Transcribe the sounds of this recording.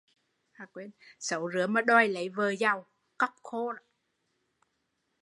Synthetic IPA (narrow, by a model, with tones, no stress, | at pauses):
haː˨˧˩kwe˧nsə˨˦wzɨ˨˦əma˨˦ɗɔ˧˩jlə˨˦jvəː˨˩za˨˩w | kə˦˥p̚kʰo˧na˨˦